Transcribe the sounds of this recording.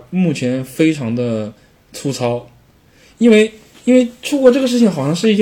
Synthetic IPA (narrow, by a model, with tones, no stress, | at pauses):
mu˥˩t͡ɕʰjɛ˧˥nfe˥ɪʈ͡ʂʰɑ˧˥ŋd̪ə˧ | t͡sʰu˥t͡sʰɑ˥ʊ | i˥nwe˥˩ɪ | i˥nwe˥˧ɪʈ͡ʂʰu˥kwɔ˥ʈ͡ʂɤ˥˩ɡə˩ʂ̬ɻ̩˥˩t͡ɕʰi˨˩ŋxɑ˨˩ʊʂɑ˥˧ŋʂɻ̩˥˧i˥˩˥